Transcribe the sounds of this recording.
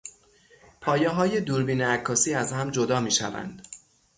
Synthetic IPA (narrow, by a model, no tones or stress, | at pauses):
pʰɒːjɛɦɒːje̞d̪uːɾbiːneækʰːɒːsiːæzhæmd͡ʒod̪ɒːmiːʃæ̰væ̰nd̪̥